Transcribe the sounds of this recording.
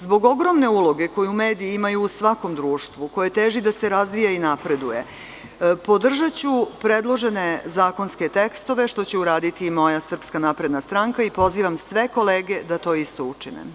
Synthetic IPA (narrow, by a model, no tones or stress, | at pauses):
zbo̞ɡo̞ɡɾo̞mne̞uːlˠo̞ɡe̞ko̞juumeːd̪iːimajuːsʋako̞md̪ɾuːʃt̪ʋuko̞jet̪eːʒid̪aseɾazʋijainapɾe̞d̪uje̞̰ | po̞d̪r̩ʒat͡ɕupɾe̞d̪lˠo̞ʒe̞ne̞zaːko̞nske̞t̪ekst̪o̞ʋe̞ʃt̪o̞t͡ɕeuɾaːd̪it̪imo̞jasr̩pskanaːpɾe̞d̪nast̪ɾaŋkaipo̞ziːʋamsʋe̞ko̞leːɡe̞d̪at̪o̞ːist̪o̞ut͡ʂinḛ